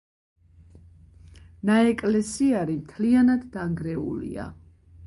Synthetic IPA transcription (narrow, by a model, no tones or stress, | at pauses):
naɛkʼlɛsiaɾimt̪ʰlianad̪ːaŋɡɾɛṵlḭa̰